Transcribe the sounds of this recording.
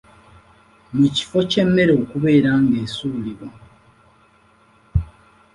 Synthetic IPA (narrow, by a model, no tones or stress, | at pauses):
muci̥fo̞ce̞mːe̞ɾoːkuβe̞ːɾaːŋɡe̞ːsuːliβo